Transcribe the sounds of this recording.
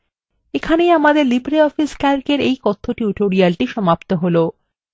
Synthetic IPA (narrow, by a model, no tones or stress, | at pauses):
ekʰanejamad̪eɾlibɾeɔfiskaɾkeɾejkɔt̪ʰːoʈiuʈoɾialʈiʃɔmapt̪oɦolo